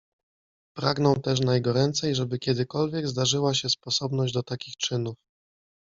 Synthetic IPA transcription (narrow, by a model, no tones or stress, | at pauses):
pɾaɡn̪ɔ̃w̃t̪ɛʂ̬najɛɡɔɾɛnt̪sɛjʐɛbɘkʲjɛd̪ɘkɔlvʲjɛɡzd̪aʐɘwaɕɛspɔsɔbn̪ɔʑd͡ʑd̪ɔt̪akʲixt͡ʂɘnuf